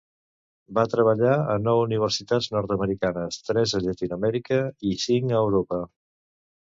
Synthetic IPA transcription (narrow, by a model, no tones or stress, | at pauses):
bat̪ɾəβ̞əʎaənɔwuniβ̞əɾsit̪ad͡znɔɾt̪əməɾikanəst̪ɾɛzəʎət̪inuəmɛɾikəisiŋəwɾopə